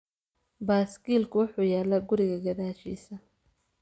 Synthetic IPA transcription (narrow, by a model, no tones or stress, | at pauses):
baːskiːlkʰʊwʊħuːjɛːlɐɡʊɾɪɣɐɡɐðaːʃḭːsɐ